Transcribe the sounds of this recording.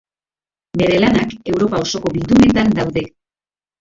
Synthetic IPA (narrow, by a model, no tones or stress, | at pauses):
be̞ɾe̞lanake̞wɾo̞pao̞so̞ko̞βild̪une̞t̪and̪awðe̞